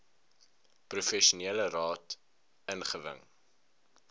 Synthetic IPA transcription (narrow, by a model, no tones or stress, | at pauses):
prufɛʃuniələrɑːt | ənχəvə̰ŋ